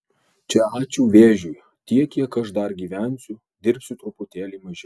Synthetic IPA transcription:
t͡ʃʲɛɑːt͡ʃʲuːʋʲeːʒʲuj | t̪ʲiɛkkʲiɛkɐʃd̪ɐɾɡʲiːʋʲæˑnʲsʲʊ | d̪ʲɪɾʲpʲsʲʊt̪ɾʊpʊt̪ʲeːlʲiːmɐʒʲɪ

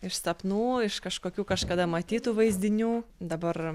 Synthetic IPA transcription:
ɪʃsɐpnuːɪʃkɐʃkoːkʲuːkɐʃkɐd̪ɐmɐt̪ʲiːt̪uːʋɐɪzʲd̪ʲɪnʲuːd̪ɐbɐr

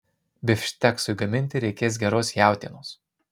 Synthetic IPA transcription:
bʲɪfʲʃʲt̪ʲɛksʊɡɐmʲɪnʲt̪ʲɪɾʲɛɪkʲeːs̬ɡʲɛɾoːsjæˑʊt̪ʲiɛnoːs

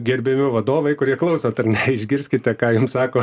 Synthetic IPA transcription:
ɡʲɛɾʲbʲɛmʲɪʋɐd̪oːʋɐɪkʊɾʲiɛklˠɐʊsoːt̪ɐrnʲɛɪʒʲɡʲɪɾʲsʲkʲɪt̪ʲɛkɑːjʊmssɑːkoː

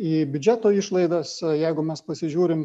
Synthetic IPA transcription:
iːbʲʊd͡ʒʲæt̪oːiʃlˠɐɪd̪ɐsjɛɪɡʊmʲɛspɐsʲɪʒʲuːɾʲɪm

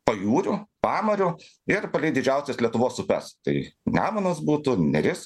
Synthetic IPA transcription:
pɐjuːɾʲʊpɑːmɐɾʲʊ | ɪɾpɐlʲɛɪd̪ʲɪd͡ʒʲɛʊsʲɛslʲiɛt̪ʊʋoːsʊpʲɛ̰st̪ɐɪnʲæːmɐnɐsbuːt̪ʊnʲɛɾʲɪs

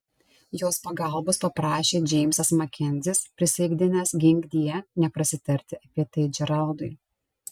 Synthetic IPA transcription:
joːspɐɡɐˑlˠboːspɐpɾɑːʃʲeːd͡ʒʲɛɪmʲsɐsmɐkʲɛnʲzʲɪspʲɾʲɪsʲɛɪɡʲd̪ʲɪnʲɛsɡʲɪŋʲɡʲd̪ʲijɛnʲɛpɾɐsʲɪt̪ʲɐɾʲt̪ʲɪɐpʲiɛt̪ɐɪd͡ʒʲɛɾɐlˠd̪ʊɪ

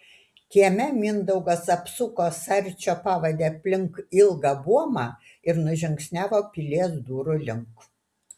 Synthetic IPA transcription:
kʲiɛmʲɛmʲɪnd̪ɐʊɡɐsɐpsʊkoːsɐɾʲˑt͡ʃʲoːpɑːʋɐd̪ʲeːɐpʲlʲɪŋkɪlˠɡɑbuɔmɑ | ɪɾnʊʒʲɪŋksʲnʲæːʋoːpʲilʲiɛsd̪uːɾʊlʲɪŋk

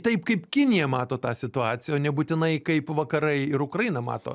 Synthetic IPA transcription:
t̪ɐɪpkɐɪpkʲɪnʲɪjɛmɑːt̪oːt̪ɑːsʲɪt̪ʊɑːt̪sʲɪjɛoːnʲɛbuːt̪ʲɪnɐɪkɐɪpʋɐkɐɾɐɪɪɾʊkɾɐjinɐmɑ̰ːt̪o̰

